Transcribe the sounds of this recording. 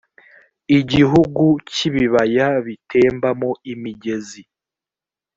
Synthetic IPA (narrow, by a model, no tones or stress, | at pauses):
iɟiɦuɡuciβiβajaβitʰe̞ːmbamoimiɟe̞zi